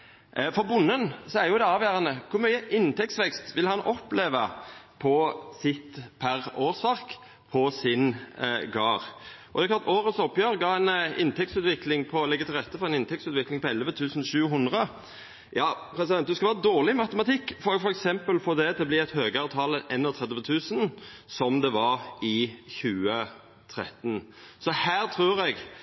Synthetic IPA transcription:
fɔɾbʊnːənsɔæɾjʊd̪ɛɑːʋjæːɾɑnəkʰʊɾmyʏəʔɪnt̪ʰɛk̚tsʋɛkst̪ʋɪlhɑnɔpleːʋəpʰɔsɪt̪ːpʰæɾoːʁsʋɑʁk | pʰɔsɪnɡɑːʁʔɔd̪ɛkʰlɑlt̪oːɾəsɔpːjøːʁɡɑːɛnɪ̰nt̪ʰɛk̚t̪sʉːt̪ʋɪklɪŋpʰɔlɛɡːət̪ɪlʁɛt̪ːəfɔɾɛnɪnt̪ʰɛk̚t̪sʉːt̪ʋɪklɪŋpɔɛlʋət̪ʰʉːsənʃʉːɦʊnd̪ʁə | jɑːpʰɾɛs̬ɪd̪ɛn̚d̪ʉskɑʋɑːəd̪oːʁlɪmɑt̪əmɑt̪ʰɪkːfɔɾɛɡfɔɾɛksɛmpəlfɔʁd̪ɛt̪ɛblɪːɛt̪høːɡəɑːʋt̪ʰɑːləʔɛnːɔt̪ʰʁɛd̪əʋət̪ʰʉːsənsɔmd̪ɛʋɑɾɪçʉːə | t̪ʰɾɛ̰t̪ːn | sɔhæːɾt̪ʰɾʉːɾɛɡ

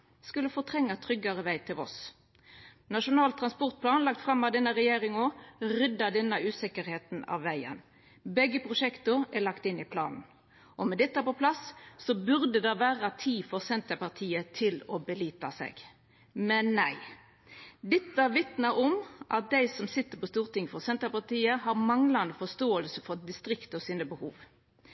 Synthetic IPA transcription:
skʉləfɔt̪ʰʁɛŋːɑt̪ʰɾʏɡːɑɾəʋæɪt̪ʰɪlɔ̰s | nɑʂʊnɑːlt̪ʰɾɑnspɔʁt̪̚pʰlɑːnlɑk̚t̪fɾɑmːɑd̪ɛnːəɾɛjeːɾɪŋɔɾʏd̪ːɑd̪ɛnːəʉːsɛkəɾheːt̪nɑ̰ʋːæɪə̰n | bɛɡːəpʰʁʊʂɛkt̪ʊælɑkt̪ɪnːɪpʰlɑ̰ːnn̩ | ʔɔmɛd̪ɛt̪ːəæpɔpʰlɑsːɔbʉɾd̪əd̪ɛʋæːɾɑt̪ʰiːfɔʁsɛnt̪əpɑʁt̪ʰiːət̪ʰɪlɔbəliːt̪ɑsɛ̰ːɡ̥ | mɛnːæɪ | d̪ɛt̪ːəʋɪt̪nɑʔɔmʔɑt̪̚d̪æɪsɔmsɪt̪ːəpɔst̪uːʁt̪ɪŋfɔʁsɛnt̪əpɑʁt̪iːəhɑʁmɑŋlɑnəfɔst̪oːəlsəfɔd̪ɪst̪ɾɪkt̪ɔsiːnəbəhṵːʋ

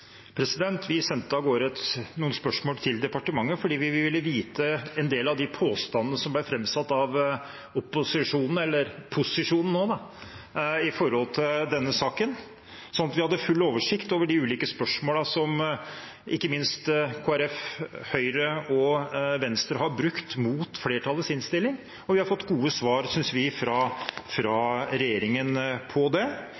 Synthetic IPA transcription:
pʰɾɛsɪd̪ɛnt̪ʰʋɪsɛnt̪ːəɑɡoːɾɛt̪nuːənspœʂmoːlt̪ʰɪld̪ɛpɑʈəmɑŋːəfɔɖiːʋɪʋɪʋɪlːəʋiːt̪əɛnd̪eːlɑʋd̪ɪpʰoːst̪ɑnənəsɔmblæfɾɛmsɑt̪ːɑʋ | ɔpːʊsɪʂuːnn̩ɛlːəɾpʰʊsɪʂuːnn̩noːd̪ɑ | ɪfɔɾhɔlt̪ʰɪld̪ɛnːəsɑːkən | sɔnɑt̪ʋɪhɑd̪ːəfʉlːoːʋəʂɪkt̪oːʋəɖɪʉːliːkəspœʂmoːlɑsɔm | ʔɪkːəmɪnst̪kʰoːæɾɛfhœʏɾəɔʋɛnst̪ɾəɦɑɾbɾʉkt̪muːt̪fleːʈʰɑlːəsɪnst̪ɪlːɪŋ | ɔʋɪhɑɾfɔt̪ːɡuːəsʋɑːɾsʏnsʋɪfɾɑfɾɑɾɛjeːɾɪŋənpʰɔd̪ɛ

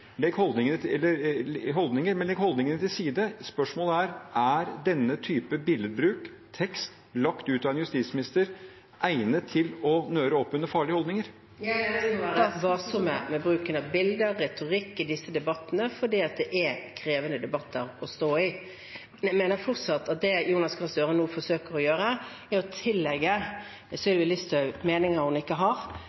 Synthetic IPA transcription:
lɛɡhɔld̪nɪŋənəɛlːəɾɦɔld̪nɪŋəɾmɛnlɛɡhɔld̪ɪŋənət̪ʰɪlsiːd̪əspœʂmoːləæɾʔæɾd̪ɛnːət̪ʰyːpəbɪləd̪bɾʉːk | t̪ʰɛkst̪ | lɑkt̪ʉːt̪ɑʋɛnjʉst̪iːt̪smɪnɪst̪əɾ | ʔæɪnət̪ʰːɪlɔnøːɾəɔpːʉnːəɾfɑːɭɪəhɔld̪nɪŋəɾ | ʋɑːsɔmɛmɛbɾʉːkənɑʋbɪld̪əɾːɛt̪ʊɾɪkːɪd̪ɪsːəd̪ɛbɑt̪ːənəfɔɖiːɑt̪̚d̪ɛʔɛkʰɾeːʋənəd̪ɛbɑt̪ʰːəɾɔst̪oːɪ | næmeːnəɾfɔʁt̪sɑt̪ːɑt̪̚d̪ɛjuːnɑskʰɑnsd̪øːɾənuːfɔʂøːkəɾɔjøːɾə | ɛɾɔt̪ʰɪlːɛɡːə | ɛsɪlʋɪlɪst̪ʰœmeːnɪŋəɾhʊnɪkːəɦɑɾ

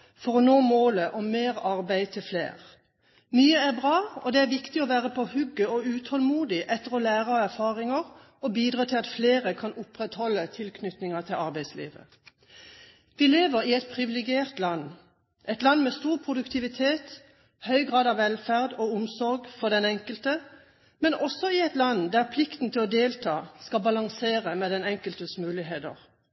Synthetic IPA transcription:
fɔʁɔnoːmoːləʔɔmmeːʁɑʁbæɪt̪ʰɪlflḛːʁ | myːəæʁbʁɑːɔd̪ɛæʁʋɪkt̪ɪɔʋæːʁəpʰɔɔhʉɡːəɔʉːt̪hɔlmuːd̪ɪʔɛt̪ːəʁɔlæːʁəɔæʁfɑːʁɪŋəʁ | ɔbiːd̪ʁɑːt̪ʰɪlɑt̪fleːʁəkʰɑnʊpʁɛt̪hɔlːət̪ʰɪlkʰnʏt̪nɪŋɑt̪ʰɪlɑʁbæɪslḭːʋə̰ | ʋɪleːʋəʁɪɛt̪̚pʰʁɪʋɪlɪɡɪeːʁt̪lɑnː | ʔɛɪt̪lɑnːmɛst̪uːʁpʰʁʊd̪ʉkt̪ʰɪʋɪt̪ʰeːt̪ | hœʏɡʁɑːd̪ɑʋːɛlfæʁd̪ɔʊmsɔʁɡfɔʁd̪ɛnɛŋkəlt̪ə | mɛnʔɔsɔɪɛt̪lɑnd̪æʁpʰlɪkt̪n̩t̪ʰɪlɔd̪eːlt̪ʰɑːskɑbɑlɑŋseːʁəmɛd̪ɛnɛŋkəlt̪əsmʉːlɪɦeːd̪ə̰ʁ

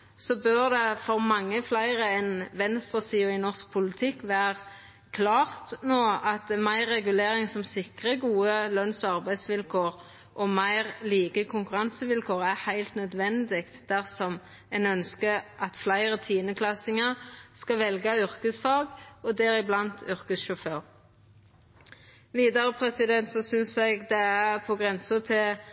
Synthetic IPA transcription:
sɔbœʁd̪ɛfɔʁmɑŋːəflæɪʁəɛnʋɛnst̪ʁəsiːʊɪnɔʁsk̚pʰʊlɪt̪ʰɪkːʋæːʁ | kʰlɑːʁt̪noːɑt̪mæɪʁːɛɡʉleːʁɪŋsɔmsɪkʁəɡuːəlœnsɔɑʁbæɪd̪sʋɪlkʰoːʁ | ʔɔmæɪʁliːɡəkʰʊŋkʉɾɑnsəʋɪlkʰoːʁæhæɪlt̪nœd̪ʋɛnd̪ɪkt̪d̪̥æʁsɔm | ɛnœnskəʔɑt̪flæɪɾət̪ʰiːnəkʰlɑsɪŋɑskɑʋɛlɡɑʏɾkəsfɑːɡɔd̪ɛːɾɪblɑnt̪ʰʉʏʁkəsʃʊføːɾ | ʋiːd̪ɑɾəpʰɾɛsɪd̪ɛnt̪sɔsʏnsɛɡd̪ɛæpʰɔɡʁɛnsət̪ʰɪl

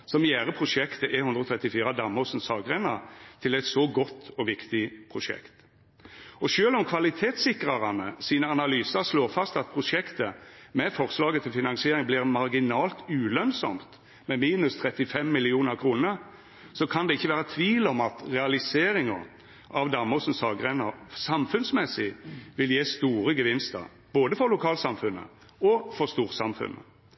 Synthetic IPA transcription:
sɔmjæːɾəpʰʁʊʂɛkt̪əʔɛhʉnd̪ɾɔt̪ʰʁɛt̪ːɪfiːɾɑd̪ɑmːəsnsɑːɡʁenɑ̰t̪ʰɪlɛɪt̪sɔɡɔt̪ːɔʋɪkt̪ɪpʰɾʊʂɛ̰kt̪ | ɔʃøːlɔmkʰʋɑlɪt̪ʰeːt̪sɪkɾɑʁɑnəsiːnəɑnɑlyːsɑɾsloːʁfɑst̪ɑt̪̚pʰʁʊʂɛkt̪əmɛfɔʁslɑːɡət̪ʰɪlfɪnɑŋsɪeːɾɪŋblɪːʁmɑɾɡɪnɑːlt̪ʉːlœnsɔ̰mt̪ | mɛmiːnʉst̪ʰʁɛt̪ːɪfɛmːɪlɪuːnəʁkʰɾuːnəɾ | sɔkʰɑnd̪ɛɪçːəʋæːɾət̪ʰʋiːlɔmɑt̪ʁɛɑlɪseːɾɪŋɑ | ʔɑʋd̪ɑməsn̩sɑɡʁɛnəɾsɑmfʉnsmɛsɪʋɪljeːst̪uːɾəɡəʋɪnst̪ə̰ | b̥oːd̪əfɔɾlʊkʰɑːlsɑmfʉnə̰ | ɔfɔʁst̪uːʁt̪sɑmfʉ̰nʔə̰

